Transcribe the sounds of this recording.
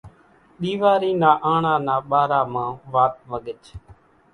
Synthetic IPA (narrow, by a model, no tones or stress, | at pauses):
ɗ̪iːʋaːɾiːnaːʔaːɳãːnaːɓaːɾaːmãːʋaːt̪̚ʋəɠət͡ʃ